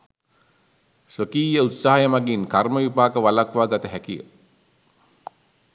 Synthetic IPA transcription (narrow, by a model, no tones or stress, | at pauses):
səkiːjəut̪saɦajəmaɡinkarməʋipaːkəʋalakʋaːɡat̪əɦækijə̰